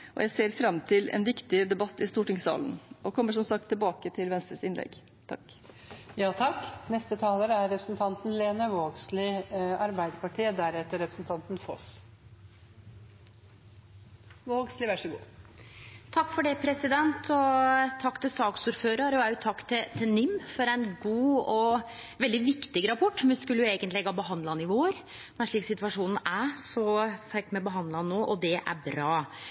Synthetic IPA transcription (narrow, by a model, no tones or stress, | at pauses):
ʔɔ̰jʔæɪseːɾfɾɑmːt̪ʰɪlɛ̰nʋɪkt̪ɪd̪ɛbɑt̪ːɪst̪uːʈɪŋsɑ̰ːlnɔkʰɔmːəʂɔmsɑk̚t̪ʰːɪlbɑːkət̪ʰɪlʋɛnst̪ɾəsɪnlʔɛ̰ɡ | t̪ʰɑ̰kː | jɑːt̪ʰɑkːnɛst̪ət̪ʰɑːləɾəæɾːɛpɾəsnt̪ʰɑnt̪n̩leːnəʋoːɡslɪɑɾbæɪd̪əɾpɑʈʰiːəd̪æɾɛt̪ːəɾɛpɾəsn̩t̪ʰɑnt̪nfɔ̰s | oɔɡslɪʋæʂɔɡṵː | t̪ʰɑkːfɔɖɛpʰɾɛsɪd̪ɛnt̪ʰɔt̪ʰɑkːt̪ʰɪlsɑːksuːɾføːɾɑɾɔæːjʊt̪ʰɑkːt̪ʰɪt̪ʰɪnɪmːfɔɾæɪnɡuːɔ | ʋɛld̪ɪʋɪkt̪ɪɡəɾɑpʰɔʈːmɛskʉlːəjʊeːɡənt̪lɛɡɑbəɦɑnd̪lɑnɪʋoːəɾ | mɛnɛʂɭiːksɪt̪ʋɑʂuːnn̩æɾsɔt̪æɾkmɛbəɦɑnd̪lɑnnːoːʔɔd̪ɛʔæ̰bɾɑː